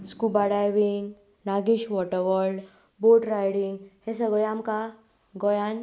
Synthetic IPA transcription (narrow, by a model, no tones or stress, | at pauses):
skubaɽajʋiŋɡ | naɡiɕʋɔʈəɾʋɔɾɭɖ | boʈɾajɽiŋɡhesəɡɭɛamka | ɡɔjan